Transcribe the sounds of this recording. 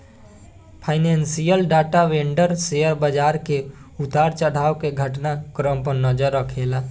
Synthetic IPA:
pʰaːɪnẽːnsijəlɖaːʈaʋẽːɳɖəɾsejəɾbəd͡ʒaːɾkeʊt̪aːɾt͡ʃəɽaːokeɡʱəʈnakɾəmpəɾnəd͡ʒəɾəkʰeːlaː

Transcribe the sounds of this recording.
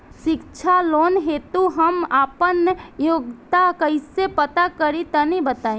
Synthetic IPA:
ʃɪkt͡ʃʰaloːnɦet̪uɦɐmaːpənjoːɡt̪akəɪsepət̪akəɾit̪ənibət̪aːĩ

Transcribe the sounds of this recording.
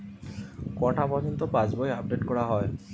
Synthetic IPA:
kɔʈʰapɔd͡ʑɔnt̪ɔpãd͡ʑbojab̚ɖeʈkɔɽaɦɔe

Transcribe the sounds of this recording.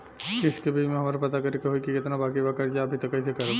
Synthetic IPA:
ɪskebʱid͡ʒmẽɦɐmaːɾapɐt̪akɐɾekeɦoikikɪt̪nabaːkibakɐɾd͡ʒaɐbʱit̪ɐkːɐisekɐɾe

